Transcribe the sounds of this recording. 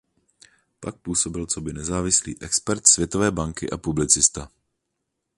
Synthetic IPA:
pak̚puːso̞bɪlt͡so̞bɪnɛzaːvɪslḭːʔɛkspɛɾt̪svjɛt̪o̞vɛːbaŋkɪʔapublɪt͡sɪst̪a

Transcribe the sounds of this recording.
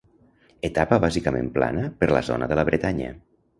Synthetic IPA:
ət̪apəβazikəmḛ̃mpla̰nəpəɾlə̰zo̰nəðələβɾət̪aɲə̰

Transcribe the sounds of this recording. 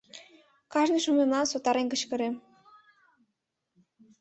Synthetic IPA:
kɑʒnɤʃumemlɑnsot̪ɑɾenkə̆t͡ɕkɤ̆ɾe

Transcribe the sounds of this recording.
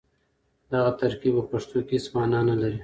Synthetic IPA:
d̪aɣat̪aɾkibapaʂt̪okismɑːnɑnalaɾi

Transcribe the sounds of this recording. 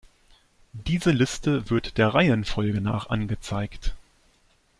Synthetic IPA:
d̥iːzəlɪstəvɪɐtd̥eːɐʁaɪənfɔlɡəna̰ːχʔa̰nɡət͡saɪkt

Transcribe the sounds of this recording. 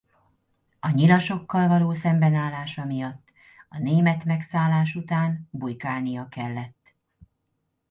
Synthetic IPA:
ɒɲilɒʃo̞kːɒlvɒloːsɛmbɛnaːlːaːʃɒmijɒt̪ː | ɒneːmɛt̪mɛksaːlːaːʃut̪aːnbujkaːlnijɒkɛlːɛt̪ː

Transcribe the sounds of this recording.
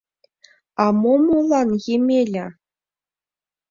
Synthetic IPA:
ɑmomolˠɑnjemʲelʲɘ̆

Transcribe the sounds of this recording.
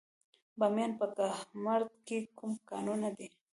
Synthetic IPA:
bamjɑnpək̪amaɾd̪̚kekumkɑ̰nunad̪e

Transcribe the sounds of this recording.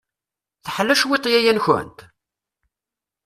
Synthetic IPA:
θəħlːæʃwit̪ˤjæjænçə̰nt̪

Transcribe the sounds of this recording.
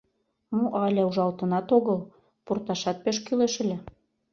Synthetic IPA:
muʔɑlʲæuʒɑlt̪ɤ̆nɑt̪oɣɤl | purt̪ɑʃɑt̪̚peʃkyleʃɘ̆lʲæ

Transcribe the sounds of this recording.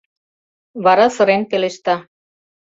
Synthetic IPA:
βɑɾɑsɤ̆ɾenkeleʃt̪ɑ

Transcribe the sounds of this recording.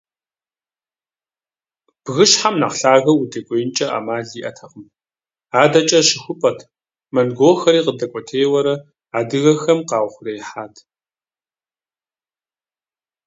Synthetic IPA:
b̥ɣɨʃħamna̰ːqɬaːɣɐwudekʷʼejnt͡ʃʼɐʔa̰ːmaːɮiːʔɐtʰɐqəm | aːdɐt͡ʃʼɐʃɪxʷʊpʼɐtʰ | mɐnɡʷoːxɐɾiːqədɐkʷʼɔtʰeːwɐɾɐ | aːdɨɣɐxɐmqɑːwʷχʷʊrɐjħaːtʰ

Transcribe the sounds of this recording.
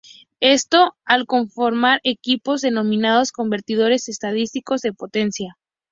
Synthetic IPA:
e̞st̪o̞alko̞ɱfo̞ɾmaɾe̞kipo̞zðe̞nõ̞mĩnað̞o̞sko̞mbe̞ɾt̪ið̞o̞ɾe̞se̞st̪að̞ist̪iko̞zðe̞po̞t̪e̞nsja

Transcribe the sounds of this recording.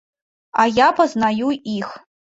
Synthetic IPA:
ajapʰɐznajuix

